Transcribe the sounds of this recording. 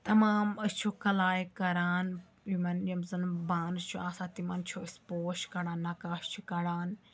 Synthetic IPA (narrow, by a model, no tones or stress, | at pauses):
t̪ɐmaːmɐst͡ʃʰoːkɐlaːjkɐɾaːn | imɐnɐmzɐnbaːnɨt͡ʃʰoaːsãːt̪imɐnt͡ʃʰoːɪspoːʃkɐɽaːnːaːkaːʃt͡ʃʰukɐɽaːn